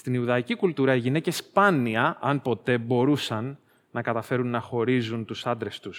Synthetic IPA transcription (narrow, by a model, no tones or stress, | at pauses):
st̪iniuðɐicikult̪uɾɐiʝine̞ce̞spɐniɐʔɐnpo̞t̪e̞bo̞ɾusɐnː | ɐkɐt̪ɐfe̞ɾunːɐxo̞ɾizunt̪usɐnd̪ɾe̞st̪us